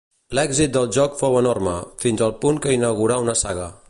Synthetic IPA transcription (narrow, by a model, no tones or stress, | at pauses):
lɛɡzit̪̚d̪əlˠʒɔkfowənormə̰finzəlˠpuŋkəinəɣuɾaunəsaɣə